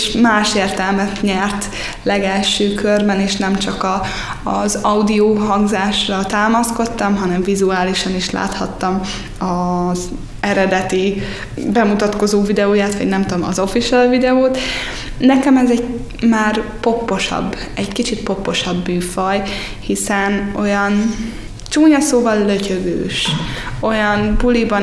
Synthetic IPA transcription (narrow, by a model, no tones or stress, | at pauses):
ʃmaːʃeːrt̪ɛlmɛt̪ɲɛrt̪ | lɛɡɛlʃøːkʰørbɛneːʃnɛmt͡ʃɒkɒː | zɒwd̪ioːɦɒŋɡzaːʃrɒt̪aːmɒsko̞t̪ːɒmɦɒnɛɱvizuaːliʃɒniʃla̰ːt̪hɒt̪ːɒm | ɒz | ɛɾɛd̪ɛt̪i | bɛmut̪ɒt̪ko̞zoːvid̪ɛoːjaːt̪ʋɒ̰ɟnɛmt̪ud̪omɒzo̞fiʃɛlvid̪ɛoːt̪ | nɛkɛmɛzɛɟ | maːrpo̞pːo̞ʃɒ̰bː | ɛɟkit͡ʃit̪po̞pːo̞ʃɒbːyːfɒj | hisɛno̞jɒn | t͡ʃuːɲɒsoːvɒlːøcøɡø̰ːʃo̞jɒnpulibɒ